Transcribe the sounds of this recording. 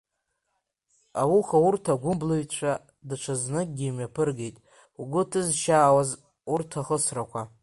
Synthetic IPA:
awuχawurtʰaɡʷʊmbloɥt͡ɕʷʰa | dɨt͡ʃʷʰaznɨk̚ʲʼɡʲimɥapʰɨrɡejtʼ | uɡʷʊtʰɨzʃaːwaz | urtʰaχəsrakʷʰa

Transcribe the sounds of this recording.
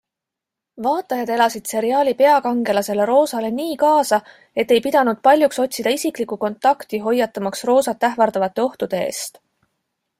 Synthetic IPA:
vɑːt̪ːˑɑjɑd̪̥e̞lɑsid̪̥se̞ɾiɑːlʲipe̞ɑkɑŋɡe̞lɑse̞le̞ɾo̞ːsɑle̞niːkɑːsɑ | e̞t̪ːe̞jpid̪̥ɑnud̪̥̚pɑlʲjukso̞t̪ʲsid̪̥ɑisiklikːuko̞nt̪ːˑɑkt̪iɦo̞jːɑt̪ːˑɑmɑksro̞ːsɑt̪ːˑæɦvɑɾd̪̥ɑvɑt̪ːˑe̞o̞ht̪ud̪̥e̞ḛːst̪

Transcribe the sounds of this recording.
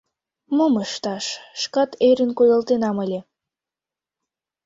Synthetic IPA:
moməʃt̪ɑʃʃkɑt̪eɾənkojɑlt̪enɑməlʲe

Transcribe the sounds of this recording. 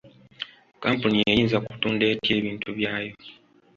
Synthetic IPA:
kaːmpunijejiːnzaku̥tuːnde̞ːtje̞ːβiːntuβjaːjo̞

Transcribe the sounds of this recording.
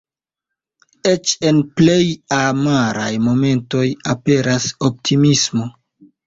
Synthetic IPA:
e̞t͡ʃe̞nple̞jamaɾajmo̞me̞nto̞jape̞ɾaso̞p̚tʰimismo̞

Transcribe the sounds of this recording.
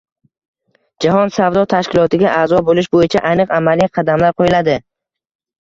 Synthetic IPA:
d͡ʒaɦɒnsavd̪ɒt̪ʰaʃkʲʰɪlˠɒt̪ʰɪɡʲaʔaːzɒbolɪʃbojɪt͡ʃʰaʔanɨqamalijqʰɑd̪amlaɾqʰojɪlad̪ɪ

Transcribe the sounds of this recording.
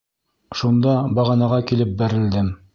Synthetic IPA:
ʃund̪ɑbɑʁɑnɑʁɑkilɘp̚bæɾɘ̆ld̪ɘm

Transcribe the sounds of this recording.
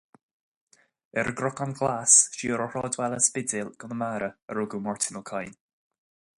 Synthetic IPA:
əɾəɡɾʊkɔnɡlasʃiɔɾəɹ̥ɔːdwɛlˠəspɪdɪlˠɡ̥ɔnəmaːɾəəɾuɡumɔɹtʰɪnəlˠkʰajn

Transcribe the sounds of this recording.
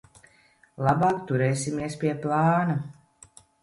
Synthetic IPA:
lˠɑbaːkt̪uɾɛːsimiɛspiɛplˠɑːna

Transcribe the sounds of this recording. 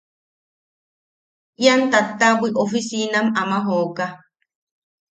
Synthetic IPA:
ʔjant̪at̪ːabiʔofisinamamaɦoːka

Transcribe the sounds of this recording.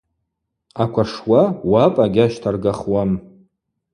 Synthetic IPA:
akʷaʂwawapʼaɡʲaʃtʰarɡaχwam

